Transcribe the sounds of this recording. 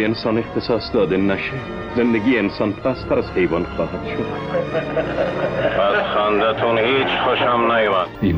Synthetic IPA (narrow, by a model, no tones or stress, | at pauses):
ensɑːnext̪ʰesɒːsd̪ɒːd̪enæʃe | zend̪æɡiːeensɑːnpʰæst̪ʰæɾazhejvɑːnxɒːhad̪ʃod̪ | pʰasxand̪at̪ʰunhiːt͡ʃxoʃamnajmani